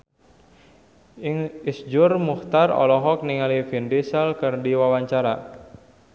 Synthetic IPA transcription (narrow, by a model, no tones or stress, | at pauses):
isd͡ʒʊrmuht̪arɔ̰lɔɦɔk̚niŋalifindisəlkɨrdiwawaɲt͡ʃaɾa